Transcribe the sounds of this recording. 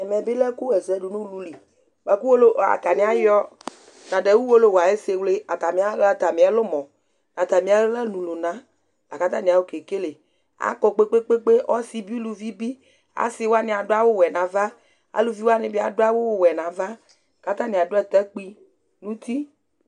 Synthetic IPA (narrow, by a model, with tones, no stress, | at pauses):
ɛ˨mɛ̃˨be˦lɛ˦ku˦ɛ˨zɛ˦du˨nũ˦lu˨li˨ | wa˨ku˦wo˦lo˦˨a̰˨t̪a˨nĩ˦a˦jɔ˦ | nã˨ɖe˨˦wu˦wo˦lo˦wa˨e˦se˦wle˦a˨t̪a˨mĩ˨˦a˦la˦t̪a˨mĩ˨˦ɛ˦lo˦mɔ̃˨ | nã˨t̪a˨mĩ˦a˦lɛ˦nũ˨lo˨nã˨˦ | la˨ka˦t̪ã˦nĩ˨a˨wo˦ke˨ke˦le˨ | a̰˦kɔ˨k͡pe˦k͡pe˦k͡pe˦k͡pe˦wɔ˦si˦bi˦lu˨vi˦bi˦ | a̰˨sɪ˨˦wo˦a˦nɪ̃˨a˨do˦a˦wo˦wɛ˨nã˨va˦ | a̰˨˦lu˨vi˦wo˦a˦nɪ̃˨bi˦a̰˨do˦a˦wo˦wo˦wɛ˨nã˨va˦ | ka˦t̪ã˦nĩ˨a˨do˦ɛ˦t̪ɛ˦k͡pi˦ | nũ˦t̪i˦